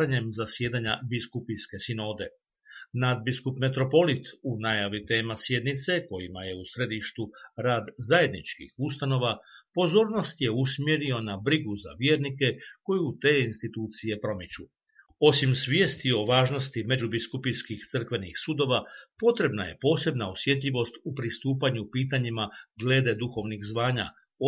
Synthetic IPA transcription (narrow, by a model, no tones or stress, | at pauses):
aɲe̞mzasjeːd̪aɲa̰biskupiske̞sino̞ːd̪e̞ | nad̪̚biskupme̞t̪ɾo̞po̞lit̪unajaʋit̪e̞ːmasje̞d̪nit̪se̞ko̞jimaje̞usɾe̞d̪iʃt̪uɾaːd̪zaje̞d̪nit͡ʃkḭxust̪ano̞ːʋapo̞zo̞ːɾno̞st̪jeusmje̞ɾio̞nabɾiɡuza̰ʋje̞ːɾnike̞ko̞jut̪e̞ːinst̪it̪uːt̪sije̞pɾo̞mit͡ɕu | o̞simsʋje̞ːst̪io̞ʋaːʒno̞st̪ime̞d͡ʑubiskupijskixt̪sɨr̩kʋe̞nixsud̪o̞ʋapo̞t̪ɾe̞bnaje̞̰po̞ːse̞bnaosje̞t̪̬ʎʲiʋo̞st̪upɾist̪uːpaɲupiːt̪̬aɲimaɡle̞ːd̪e̞d̪uxo̞ʋnixzʋaːɲa̰